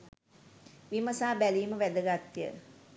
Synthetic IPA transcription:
ʋiməsaːbæliːməʋæd̪əɡat̪ːijə̰

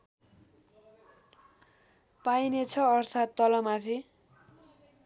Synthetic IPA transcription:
pajnet͡sʰʌːrt̪ʰat̪ːʌlʌmat̪ʰi

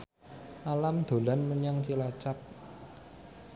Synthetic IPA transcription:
ʔalamd̪̥o̤lanməɲaŋt͡ʃilat͡ʃap̚

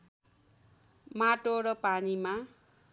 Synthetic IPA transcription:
maʈoɾʌpanima

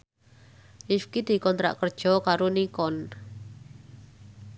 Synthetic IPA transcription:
ʔifkid̪̥i̤kɔnt̪ɾa̰ʔkərd̥ʒ̥ɔ̤kaɾonikɔn

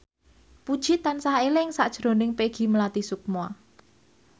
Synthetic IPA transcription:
pud̥ʒ̥i̤t̪ansaelɪŋsaʔd̥ʒ̥ɾo̤nɪŋpeɡ̥i̤məlat̪isuk̚mua

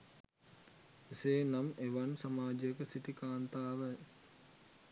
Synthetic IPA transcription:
iseːnameʋansamaːd͡ʒijəkəsiʈikaːnt̪aːʋə

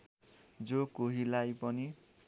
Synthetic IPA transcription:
d͡zokoɦilajpʌni

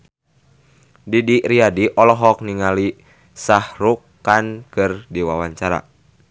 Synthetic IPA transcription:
didiɾiadiʔɔlɔɦɔk̚niŋali | sahɾukːankɨrdiwawaɲt͡ʃaɾa̰

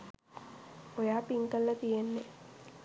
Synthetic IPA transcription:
ojaːpiŋkəlːɐt̪ijenːe

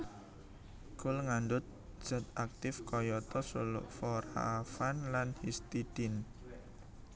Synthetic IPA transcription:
kʊlŋandʊt̪̚d̥ʒ̥a̤t̪̚ak̚t̪ɪfkɔjɔt̪ɔsulʔfɔɾa̰fanlanhist̪id̪̥ɪn

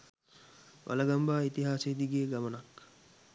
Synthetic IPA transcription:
ʋa̰laɡambaːit̪iɦaːsed̪iɡeːɡamənak

